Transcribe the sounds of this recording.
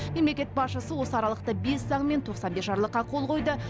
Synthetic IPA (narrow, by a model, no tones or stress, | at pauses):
me̞mle̞kʲe̞t̪̚bɑsʃəsəwo̞səɑɾɑlˠəq̚t̪əbe̞sːɑɴme̞nt̪ʰoqsɑnbe̞sʒɑɾlˠəqːɑqʰolˠqʰo̞jd̪ə